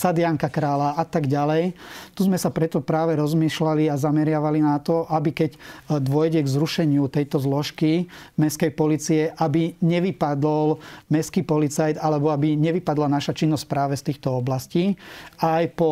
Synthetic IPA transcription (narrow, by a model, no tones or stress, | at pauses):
sad̪ɪaŋkakɾaːlaat̪aɡɟalɛjt̪uzmɛsapɾɛt̪ɔpɾaːʋɛɾɔzmiːʃlaliazamɛɾɪaʋalinat̪ɔʔabikɛɟd̪ʊɔjɟɛɡzɾuʃɛɲɪut̪ɛjt̪ɔzlɔʃkimɛskɛjpɔliːt͡siɛʔabiɲɛʋipad̪ɔlmɛskiːpɔlit͡sajd̪alɛbɔabiɲɛʋipad̪lanaʃat͡ʃinːɔsʲc̚pɾaːʋɛst̪iːxt̪ɔɔblasciːajpɔ